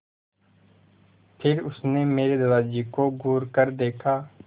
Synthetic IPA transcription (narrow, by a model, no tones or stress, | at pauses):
pʰɪɾʊsneːmeːɾed̪əlaːd͡ʒiːkoɡuːɾkəɾd̪eːkʰaː